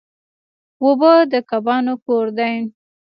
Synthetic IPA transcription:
wobəd̪əkabɑnokoɾd̪ajn

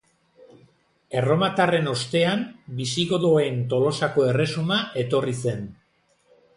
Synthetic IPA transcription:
e̞ro̞mat̪are̞no̞st̪e̞ambisiɣo̞ðoe̞nt̪o̞lo̞sako̞e̞re̞sumaʔe̞t̪o̞rise̞n

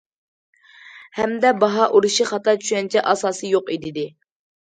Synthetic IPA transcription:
hɛmd̪ɛbɑɦɑʔuɾuʃiχɑt̪ʰɑt͡ʃʰy̥ʃʲɛnt͡ʃʰɛʔɑsɑːsɨjoqid̪ɪd̪ɪ

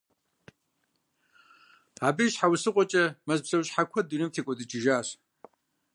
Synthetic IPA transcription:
abiɕħawsɨqʷʼɔt͡ʃʼɐmɐzbzɐwɕħakʷʰɐdunɨmtʰekʷʼɔdɨt͡ʃʼɪʒaːɕ

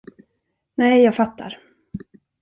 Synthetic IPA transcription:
nɛjjɑːɡfat̪ʰːa̰ɾ

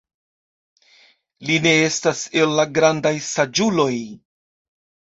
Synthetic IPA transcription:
line̞e̞stase̞lːaɡɾandajsad͡ʒulo̞j

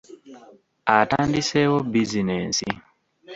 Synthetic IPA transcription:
atandisewobizinḛnsḭ

